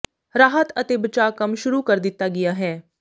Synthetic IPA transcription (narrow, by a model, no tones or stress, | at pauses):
ɾaːɦət̪ət̪eːbət͡ʃaːkəmʃʊɾuːkəɾd̪ɪt̪ːaːɡɪjaːɦɛː